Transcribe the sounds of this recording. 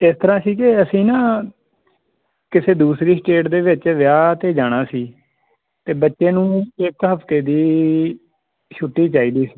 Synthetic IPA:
ɪst̪əɾãːsiːkɪəsĩːnãː | kɪseːd̪uːsɾiːsʈeːʈd̪eːʋɪt͡ʃʋɪjaːt̪eːd͡ʒaːɽ̃aːsiː | t̪eːbətːʃeːnũːɪkɦəpt̪eːd̪iː | ʃʰʊʈːiːt͡ʃaːiːd̪iːsi̥ː

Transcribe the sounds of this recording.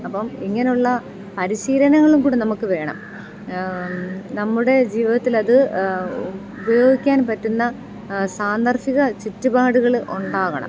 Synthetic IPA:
ɐpːɐmiŋːɐneuɭːɐ | pɐɾiɕiːɾɐnɐŋːɐɭumkuːɽinɐmukːɨʋe̞ːɳɐ̰m | nɐmːuɽe̞d͡ʑiːʋiðɐt̪ːilɐðɨ | ubɐjo̞ːɡikʲːaːnpɐtːunːɐ | saːnd̪ɐrfiɣɐt͡ɕitːubaːɽuɣɐɭʔuɳɖaːɣɐɳɐ̰m

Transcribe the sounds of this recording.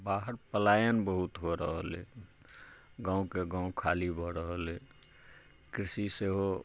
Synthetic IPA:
baɦəɾpəlajənbəɦut̪ɦoɾə̰ɦəlḛ | ɡãũkeɡãũkʰalibʱɔɾəɦəle | kɾisiseɦo

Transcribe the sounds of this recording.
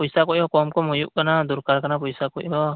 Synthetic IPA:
pɔjsakɔʔbɔkɔmkɔmɔjuʔkanad̪uɾkaɾkʰanap̬ɔjsakɔ̰ʔbɔ

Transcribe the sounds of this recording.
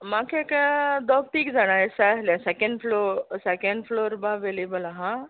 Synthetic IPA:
makʰekad̪ɔɡ̚ʈ̪iːkd͡zaɽ̃asaɦljãsekẽɳɖfʰlosekeɳɖfloːɾbaʋelebəlaɦã

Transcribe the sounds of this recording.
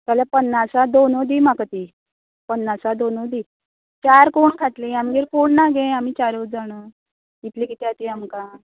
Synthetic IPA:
t̪aljapənːasad̪onod̪imakət̪i | pənːasad̪onod̪iː | t͡ɕaɾkoɳkʰat̪leamɡeɾkoɳnːaɡẽamiːt͡ɕaɾod͡zaɽ̃əː | it̪likit̪ɛat̪iamka

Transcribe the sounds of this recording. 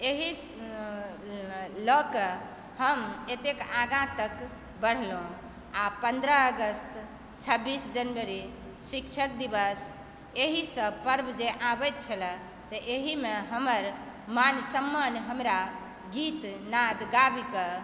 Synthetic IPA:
eɦi | ləkə | həmet̪ekãɡãt̪ək | bəɽ̤lõ | apənd̪ɾəːɡəst̪ | t͡ʃʰəbːisd͡ʒənbəɾi | ʃikt͡ʃʰək̚d̪ibəs | eɦisəbpəɾbd͡ʒeʔãbət̪̚t͡ʃʰəlɛ | t̪əʔeɦimeɦəməɾ | mansəmːanɦəmɾa | ɡit̪nad̪ɡabikə

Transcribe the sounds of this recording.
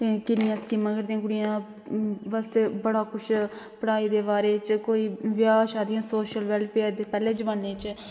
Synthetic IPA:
kɪnɪjãːskiːmãːkəɾd̪ijãːɡʊɽijãː | bəst̪ebəɽaːkʊt͡ʃʰ | pəɽaːiːd̪eːbaːɾeːt͡ʃkoːiːʋjaːʃaːd̪ɪjãːsoːʃəlʋɛlpʰeːd̪eːpɛːleːd͡ʒbəɳːeːt͡ʃ

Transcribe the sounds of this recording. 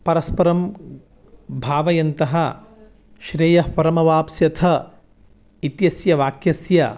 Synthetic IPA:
pɐɾɐspɐɾɐm | bʱaːʋɐjɐnt̪ɐɦɐ | ʃɾeːjɐpɐɾɐmɐʋaːpsjɐt̪ʰɐ | it̪jɐsjɐʋaːkjɐsjɐ

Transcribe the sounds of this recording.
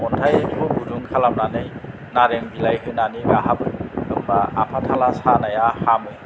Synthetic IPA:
ɔntʰajpʰɯbuduŋkʰalam̚nanɯj | naɾeŋbilajɦɯnaniɡaɦabɯɯŋbaapʰatʰalasanajahamɯ

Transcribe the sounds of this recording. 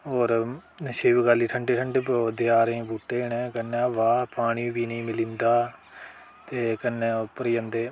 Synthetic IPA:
oːɾʃeːʋɡaːliːʈʰəɳɖeːʈʰəɳɖepod̪eaːɾẽːbuːʈːeːɳẽːkənːaːʋaːpaːɽ̃ibiːnĩːmɪlĩnd̪aː | t̪eːkənːepəɾjənd̪eː

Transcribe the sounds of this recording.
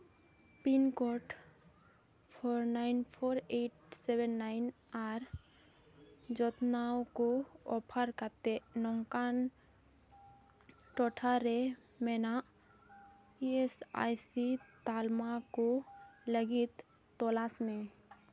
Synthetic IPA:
pinkɔʈ | pʰoɾnaɪnpʰoɾeʈsebɛnːaɪn | aɾ | d͡ʒɔt̪nawkoɔpʰəɾkat̪enɔŋkan | ʈɔʈʰaɾe | mɛnaʔ | iesa̰jsit̪almakoləɡit̪ː | ɔlasmẽ

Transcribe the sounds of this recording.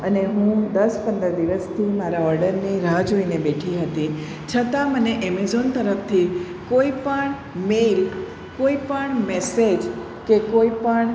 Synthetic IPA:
əneɦũd̪əspənd̪əɾd̪iʋəst̪ʰimaɾaəɾɖəɾniɾad͡ʒoinebeʈʰiɦət̪i | t͡ʃʰət̪aməneʔɛmezont̪əɾəfʰt̪ʰi | koipəɳ | mel | koipəɳmɛsed͡ʒ | kekoipəɳ

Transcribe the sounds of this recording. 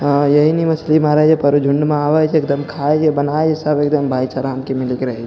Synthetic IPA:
jɐɦinɦimɐslimaɾad͡ʒepəɾud͡ʒʱʊɳɖmẽaːʋəd͡ʒeːk̚d̪əmkʰaed͡ʒebɐnaːed͡ʒesəbek̚d̪əmbʱaːit͡ʃaɾaəmkimɪlikɾɐɦed͡ʒ

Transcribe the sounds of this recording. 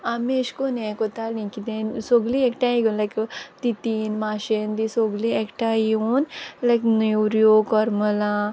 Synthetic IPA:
ameʃkonekot̪alĩkid̪ensoɡliekʈaiɡonlajkt̪it̪inmaʃend̪isoɡliekʈaiunlajknjuɾjokɔɾməla

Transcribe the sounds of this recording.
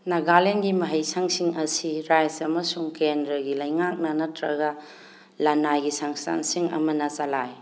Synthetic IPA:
nɐɡalenɡimɐɦɐjsaŋsiŋɐsiɾajzɐmɐsuŋkendɾɐɡilɐjŋak̚nɐnɐtɾɐɡɐ | lɐnajɡisaŋsta̰nsiŋɐ̰mɐnɐt͡ʃɐlaj

